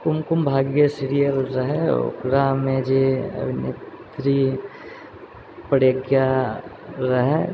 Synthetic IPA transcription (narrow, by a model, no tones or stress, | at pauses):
kʊmkʊmbʱaːɡjəsiɾijəlɾɐɦɛ̰o̰kɾamẽd͡ʒeɐ̰bʱɪnḛt̪ɾi | pɐɽəɡja | ɾɐɦɛ